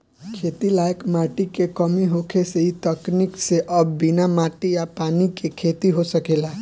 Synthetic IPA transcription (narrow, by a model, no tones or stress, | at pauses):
kʰeːt̪ilaːjəkmaːʈikekəmiɦokʰeseit̪əknikseʔəbbinamaːʈijapaːnikekʰet̪iɦosəkeːla